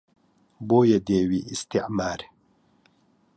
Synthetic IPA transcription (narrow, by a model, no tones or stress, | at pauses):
boːjed̪eːwiːʔist̪iʕmaːɾ